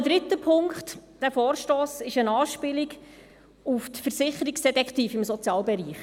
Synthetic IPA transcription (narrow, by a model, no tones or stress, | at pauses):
d̥̪ɾɪtːəpʰʊŋkχt̪d̥æfɔːɾʃtoːsɪʃənɑːʃpɪliɡ | uft̪fəɾsɪχəɾiksd̥ɛt̪ɛkχt̪iːfɪmsɔt͡sjɑːlbɛɾiːχ